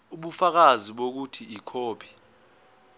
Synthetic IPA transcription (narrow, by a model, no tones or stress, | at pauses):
uɓufak̬aziɓok̬utʰiikʰoːpʰi̥